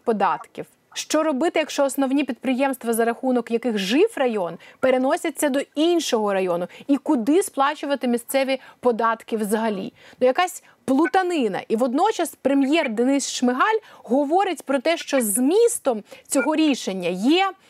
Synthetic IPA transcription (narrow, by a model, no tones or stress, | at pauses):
pɔd̪ɑt̪kʲiw | ʃt͡ʃɔɾɔbɪt̪ɪjɐkʃt͡ʃɔːsnɔwnʲipʲid̪̚pɾɪjɛmst̪ʋɐzɐɾɐxunɔkjɐkɪxʒɪfrɐjɔnpeɾenɔsʲɐt͡sʲːɐd̪ɔinʃɔɦɔɾɐjɔnʊikʊd̪ɪsplˠɑt͡ʃʊʋɐt̪ɪmʲist̪sɛʋʲipɔd̪ɑt̪kɪwzɐɦɐlʲḭnujɐkɑsʲ | plˠʊt̪ɐnɪnɐ̰ʔiʋɔd̪nɔt͡ʃɐspɾemjɛrd̪enɪsʃmɪɦɑlʲɦɔʋɔɾɪtʲpɾɔt̪ɛʃt͡ʃɔzmʲist̪ɔmt͡sʲɔɦɔɾʲiʃenʲːɐjɛ